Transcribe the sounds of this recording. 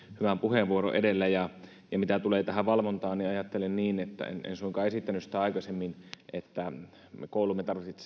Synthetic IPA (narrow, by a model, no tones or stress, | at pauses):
hyʋæmpuheʋʋuoɾo̰ʔedelːæjɑ | jɑmit̪æt̪uleːt̪æɦæʋɑlʋont̪ɑːniɑjɑt̪ːelenniːnet̪ːæ̰ḛnḛnsuiŋkɑːesit̪ːænysi̥t̪æɑˑikɑsemːinʔet̪ːæ | ekoˑulumːet̪ɑrʋissit̪